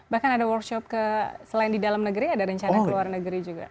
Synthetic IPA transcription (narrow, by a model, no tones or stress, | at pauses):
bahkanadawɔrkʃɔp̚kəsəlaɪndidalamnəɡəɾiadaɾəɲt͡ʃanakəluarnəɡəɾid͡ʒuɡa̰